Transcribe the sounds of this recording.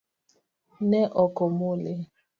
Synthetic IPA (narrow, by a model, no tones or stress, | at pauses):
nɛʔɔkɔmole